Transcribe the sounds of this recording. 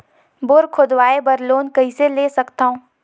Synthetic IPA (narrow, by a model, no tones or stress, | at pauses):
boːɾkʰʊd̪waːebɐɾloːnkɐɦĩseleːsɐkt̪aːõː